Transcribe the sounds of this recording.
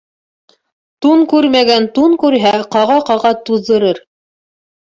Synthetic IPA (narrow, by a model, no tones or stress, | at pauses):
t̪uŋkʉɾmæɡænt̪uŋkʉɾɦæqɑʁɑqɑʁɑt̪uðːɤ̆ɾɤɾ